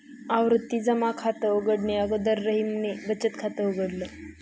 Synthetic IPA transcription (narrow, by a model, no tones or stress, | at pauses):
aʋɾut̪ːiːd͡zəmakʰat̪əəɡəɽneəɡod̪əɾːəɦimnebət͡ɕət̪kʰat̪əəɡəɽlə